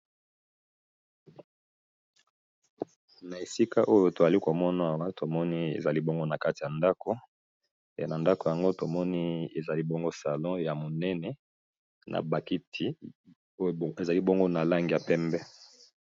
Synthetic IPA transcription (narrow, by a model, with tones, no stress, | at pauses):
na˨e˨si˦ka˦ʔo˦jo˨to˨za˨li˦ko˨mɔ˦na˨a˨wa˦to˨mɔ˦ni˦ḛ˨za˨li˦bo˦ŋɡo˦na˨ka˦ti˨ja˨nda˦ko˨˦˨ | na˨nda˦ko˨ja˨ŋɡo˦to˨mɔ˦ni˦e˨za˨li˦bo˦ŋɡo˦sa˨lɔ̃˦ja˨mo˨nɛ˦nɛ˦ | nʔa̰˨ba˨ki˦tʰi˦ | o˦˨e˨za˨li˦bo˦ŋɡo˦na˨la˦ŋɡi˨ja˨pɛ˦mbɛ˦